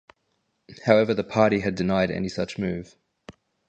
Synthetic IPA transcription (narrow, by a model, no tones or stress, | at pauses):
haʊɛvəðəpʰɑˑɾiɨdɨnaɪɾɛ̰nisʌt͡ʃmʉːv̥